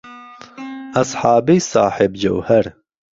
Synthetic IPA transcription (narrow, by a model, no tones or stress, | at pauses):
ɐsħɑːbisɑːħɪbd͡ʑɐ̰whɐɾ